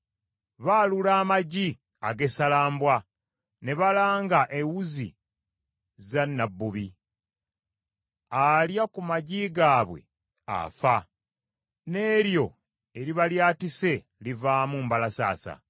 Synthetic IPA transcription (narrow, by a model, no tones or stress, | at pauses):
βaːlulaːmaɟi | aɡe̞salaːmbwa | ne̞βalaːŋɡaʔewuzḭ | zanːabːuβi | aljakumaɟiɡaːβwe̞̰ | a̰fa | ne̞ːɾjo̞ | eɾiβaljaːtise̞ | livaːmumbalasa̰ːsa̰